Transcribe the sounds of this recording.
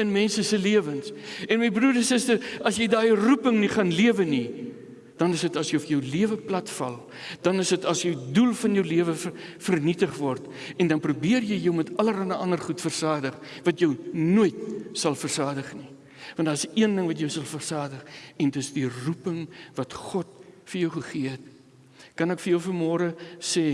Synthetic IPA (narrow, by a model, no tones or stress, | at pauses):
ənmɛnsəsəliəvənsɛnməjbruɾɛnsəstəsɐsjɛjdɑːərupəŋniχɐnliəvəni | d̥ɐnəsətɐsjəjɔfjəwliəvəplɐtfɐlˠ | d̥ɐnəsətɐsjəwdulˠfɐnjəwliəvəfərnitəχvɔrt | ɛndɐnprubiərjəjjəwmɛtɐləɾɐnəʔɐnərχutfərsɑːdəχvɐtjœwnuəjt̚sɐlˠfərsɑːdəχni | vɑ̃ntdɑːəsiəndəŋvɐtjəwsɐlˠfərsɑːdəχɛndəsdirupəŋvɐtχɔt̚fərjəwχəχiəɦət̚ | kɐnəkfəjəwfərmɔːɾəsɛː